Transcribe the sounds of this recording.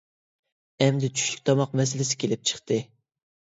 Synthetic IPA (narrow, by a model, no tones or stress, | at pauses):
ɛmd̪ɪt͡ʃʰy̥ʃly̥kʲt̪ʰɑmɑq̚mɛs̬ɪlɪsɪ̥kʲʰelɪp̚t͡ʃʰə̥χt̪ɨ